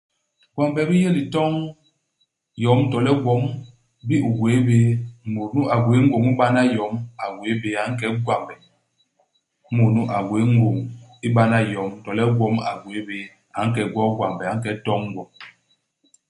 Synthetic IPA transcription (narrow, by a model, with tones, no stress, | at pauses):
ɡ̥wa˨mbɛ˨bi˦je˦li˨tɔ˦ŋ | jɔ˨˦mtɔ˨lɛ˦ɡwɔ˨˦m | bi˦u˨ɡwe˨˦be˦mo˨nu˦a˨ɡwe˨˦ŋ̩˦ɡo˨ŋi˦ɓa˦na˦jɔ˨˦ma˨ɡwe˨˦be˨a˨˦ŋ̩˦kɛ˨˦ɡwa˨mbɛ˨˦ | mo˨nu˦ʔa˨ɡwe˨˦ŋ˦ɡo˨ŋi˦ɓa˦na˦jɔ˨˦mtɔ˨lɛ˦ɡwɔ˦ma̰˨ɡwe˨˦be˨˦ | a˨˦ŋ̩˦kɛ˨ɡwɔ˦ɡwa˨mbɛ˨a˨ŋ̩˦kɛ˨˦tɔ˦ŋː˦ɡwɔ˨m